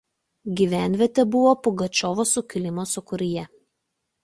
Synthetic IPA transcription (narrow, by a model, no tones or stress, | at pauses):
ɡʲiˑʋʲæˑnʲʋʲɛt̪ʲɛbʊʋoːpʊɡɐt͡ʃʲɔːʋoːsʊkʲɪlʲɪmosʊkʊɾʲɪjɛ